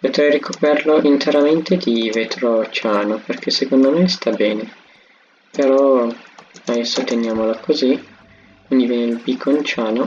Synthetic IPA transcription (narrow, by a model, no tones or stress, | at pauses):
pot̪ɾɛjrikʰopɛrloʔint̪ʰeɾament̪ed̪ivet̪ɾot͡ʃaːnoperkesekond̪omest̪abɛːne | peɾɔ | ad̪ɛsːot̪enjaːmolakʰozi | kwind̪ivjɛːneilbikːont͡ʃaːno